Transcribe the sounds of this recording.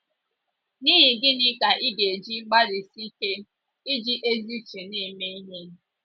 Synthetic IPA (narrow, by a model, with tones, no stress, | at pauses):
niː˦ɦi˨ɡɪ˦nɪ˦ka˨ʔi˦ɡe˨d͡ʒi˦ɡ͡ba˦ɾi˨si˦ke˦ | i˦d͡ʒi˦ʔe˦zi˦t͡ʃe˨ni˦˨me˦i˦ɦe˦n̩˦